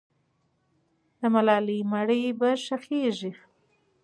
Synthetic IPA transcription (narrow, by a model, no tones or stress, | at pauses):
d̪əmalɑlimaɽəjbaʂaxeʐi